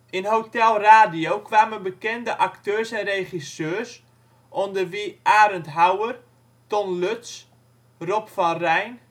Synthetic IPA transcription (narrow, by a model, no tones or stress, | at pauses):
ɪnɦowtɛlˠraːdiowkʋaːmənbəkɛndəʔaktøːsɛnreχisøːs | ʔɔndərʋiʔaːɾəntɦawər | tɔnløts | rɔpfɑnrɛjn